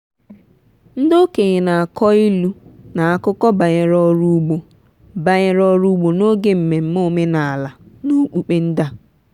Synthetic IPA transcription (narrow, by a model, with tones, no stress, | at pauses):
n̩˦do˦ke˨ɣɪ˨na˨a˨kɔ˦i˦lu˦na˨a˦kʊ˦kɔ˦ba˨ɣɪ˨ɾɔ˦ɾu˦ɡ͡bo˨ | ba˨ɲɪ˨ɾɔ˦ɾu˦ɡ͡bo˨no˦ɡe˦m̩˨me˨m̩˦mo˦me˦na˨a˨la˨nu˦k͡pu˨k͡pe˦n̩˦da˦